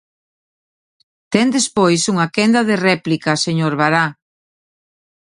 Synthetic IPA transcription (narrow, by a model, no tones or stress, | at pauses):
t̪ɛnd̪espojsuŋakɛnd̪ɐðerɛplikɐseɲoɾβaɾa